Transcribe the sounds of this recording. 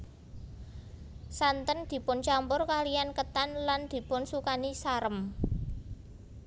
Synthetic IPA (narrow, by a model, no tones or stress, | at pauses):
sant̪ənd̪̥i̤pʊnt͡ʃampʊrkalijankət̪anland̪̥i̤pʊnsukanisaɾəm